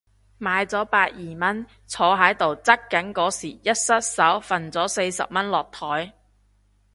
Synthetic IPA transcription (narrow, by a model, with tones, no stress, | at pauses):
maː˨˧jt͡sɔː˨˥paː˧t̚jiː˨mɐ˥n | t͡sʰɔː˨˧ɦɐ˨˥jt̪o˨wt͡sɐ˥kkːɐ˨˥nkɔː˨˥siː˨˩jɐ˥t̚sɐ˥t̚sɐ˨˥wfɐ˨nt͡sɔː˨˥se˧jsɐ̰˨p̚mɐ˥nlɔː˨k̚t̪ʰɔː˨˥j